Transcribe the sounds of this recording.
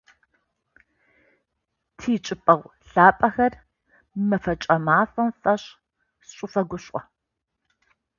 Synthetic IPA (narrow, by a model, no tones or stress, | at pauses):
tʰiːt͡ʃʼɪpʼɐʁʷɬaːpʼɐxɐr | mɐfɐt͡ʃʼɐmaːfʼɐnfɐɕ | sɕʷʼʊfɐɡʷʊɕʼɔ